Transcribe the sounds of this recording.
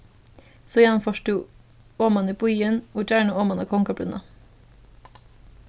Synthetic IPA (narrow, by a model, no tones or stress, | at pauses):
soːjɛnfɔʃʈuː | oːmɑnəpʊiːənuːt͡ʃæːɳəoːmɑnɑkʰɔŋkɑb̪ʉ̰nɑ̰